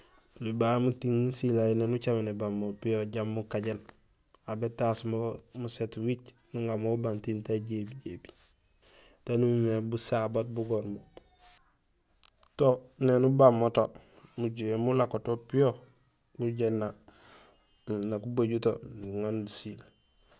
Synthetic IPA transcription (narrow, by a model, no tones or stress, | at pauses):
ulibamutiŋːusilajenenut͡ʃamenebamːopijoɟamːukaɟen | abetasmomusetwit͡ʃ | nuŋamobantintaɟebiɟebi̥ | tanumimebusabat̚buɡoɾmo | tonenubamːoto | muɟuemulakotopijo | buɟenːa | nakubaɟutouŋandusil